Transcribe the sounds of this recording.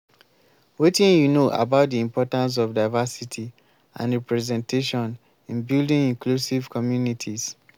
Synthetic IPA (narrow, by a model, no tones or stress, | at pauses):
wetĩnjunoʔa̰baʊt̚diĩmpɔtãns̬ɔvdaɪvasitʰi | ã̰nɹɛpɹɛzɛ̃nteʃɔ̃n | ĩnbildĩŋĩŋklusiv̥kʰɔmjunitʰiz̥